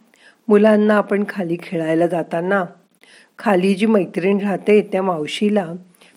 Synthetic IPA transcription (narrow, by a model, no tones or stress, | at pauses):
mulanːaːpəɳkʰaliːkʰeɭajlad͡zat̪ana | kʰalid͡ʑiːməjt̪ɾiɳd͡ʑʱat̪et̪jamawɕila